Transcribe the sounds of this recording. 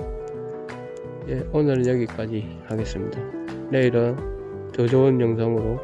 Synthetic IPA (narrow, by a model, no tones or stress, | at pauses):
je̞onɯɾjʌɡik͈ad͡ʑi | haɡe̞s͈ɯmɲida | ɾeiɾʌn | tod͡ʑounjʌŋs̬ʰʌŋɯɾo